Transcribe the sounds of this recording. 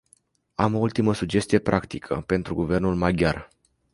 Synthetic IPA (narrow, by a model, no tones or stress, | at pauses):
amo̞ult̪iməsud͡ʒe̞st̪ije̞pɾʔakt̪ikʰə̰pe̞nt̪ɾuɡuve̞rnulmaɡʲjar